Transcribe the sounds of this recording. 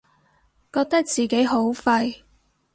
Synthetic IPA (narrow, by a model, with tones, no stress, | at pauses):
kɔː˧k̚t̪ɐ˥k̚t͡siː˨˩ke˨˥jɦo˨˥wfɐ˧j